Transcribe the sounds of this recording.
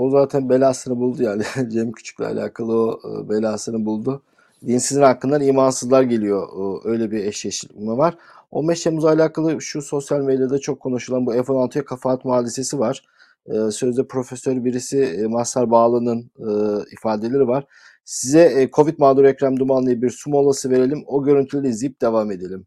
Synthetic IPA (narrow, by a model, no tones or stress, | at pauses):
ozaːt̪ʰænbelʲasɯnɯbulˠd̪ujaːnɪd͡ʒeimcʰy̥t͡ʃʰy̥c̚ʲlʲɛ̰a̰lʲa̰ːkʰalˠɯo̰belʲaːsɯnɯbulˠd̪ʊ | d̪insizinhakʰːɯnd̪aɾiːmansɯzlˠaɾɟelʲijo̞ʔø̞jlʲɛbiɛʃeʃimɛvaɾ̥ | o̰mbɛʃt̪ʰemuzalʲaːkalˠɯʃuso̞sjalʲmed̪jad̪ɛt͡ʃʰo̞kʰːo̞nuʃulˠanbuɛfonalˠt̪ʰɯjakʰafaːt̪muaːd̪ise̞sivaɾ̥ | ɯːsø̞zd̪ɛpʰɾo̞fesøɾbiɾisimasaɾbaːlˠɯnɯnɯifaːd̪elʲeɾivaɾ̥ | sizɛkʰo̞vit̪̚maːd̪uɾɛcɾamd̪umanːˠɯjɯbiɾsumo̞lˠasɯve̞ɾe̞lʲimo̞ɟø̞ɾynt̪ʰylʲeizip̚d̪e̞vaːme̞d̪e̞lʲim